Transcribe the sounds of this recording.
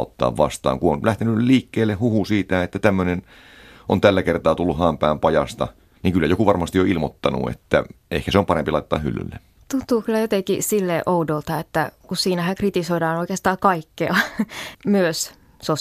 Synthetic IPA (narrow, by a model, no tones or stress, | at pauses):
ot̪ːɑ̰ːʋʋɑ̰st̪ɑ̰ːŋkuonlæht̪enyliːkːeːlːehhuhusiːt̪æet̪ːæt̪æmːønen | ʔont̪ælːækert̪ɑːt̪ulːuhɑːmpæːmpɑjɑ̰st̪ɑ̰ | niŋkylːæjokuʋɑrmɑst̪ioilmot̪ːɑnṵḛt̪ːæ̰ehkæseompɑɾempilɑˑit̪ːˑɑːhy̰lːy̰lːe | t̪unt̪ˑuːkylːæjot̪ekisilːeʔoudolt̪ɑet̪ːækussiːnæhæŋkrit̪isoidɑːnoikeːst̪ɑːkɑikːeɑ | myøs | so